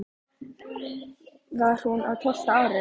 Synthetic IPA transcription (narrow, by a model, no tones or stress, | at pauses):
vaɾ̥hunaðt̪ʰɔst̪aaːɾɪ